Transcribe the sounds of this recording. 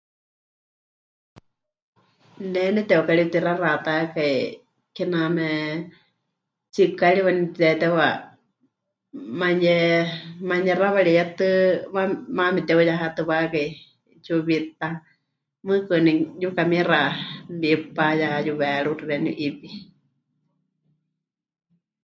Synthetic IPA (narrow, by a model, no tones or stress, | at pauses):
nɛnɛt̪ɛokaɺit̪iɾarat̪akai | kɛnamɛ | t͡ʃikaɺiwanitɛt̪ɛwa | maɲɛmaɲɛraβaɺijat̪ɨmamamɛt̪ɛujaɦat̪ɨβakai | t͡ʃuβit̪a | mɨ̃kɨnijukamĩrabipajaajuβɛɺuɾiɾɛnṵʔipi